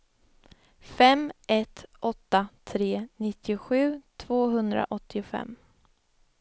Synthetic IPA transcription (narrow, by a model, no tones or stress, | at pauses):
fɛmʔɛt̪ʔɔt̪ːat̪ʰɾeːnɪt̪ʰːɪʊɧʉ̟ːt̪ʰvoːɦɵnd̪ɾa̰ʔɔt̪ʰːɪʊfɛ̰mː